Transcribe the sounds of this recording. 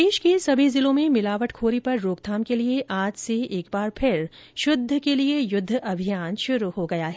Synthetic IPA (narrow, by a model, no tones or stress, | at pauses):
d̪eːʃkesɐbʱizɪlõmẽmɪlaːʋəʈkʰoːɾipɐɾːoːkd̪ʰʱaːmkelieʔaːd͡ʒseeːk̚baːɾpʰɪɾ | ʃʊd̪ʱːəkeliejʊd̪ʱːɐbʱijaːnʃʊɾuɦoɡɐjaːɦɛː